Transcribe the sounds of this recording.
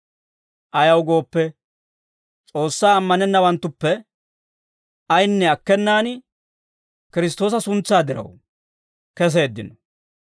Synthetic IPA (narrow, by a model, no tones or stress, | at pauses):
ʔɐjɐwɡo̞ːpːɛ | t͡sʼo̞ːsːaːɐmːɐnɛnːɐwɐnt̪ːʊpːɛ | ɐjnːɛɐkːɛnːaːn | kɪɾɪs̬t̪o̞ːs̬ɐsʊnt͡sːaːd̪ɪɾɐ̰w | kɛs̬e̞ːd̪ːɪ̰nɔ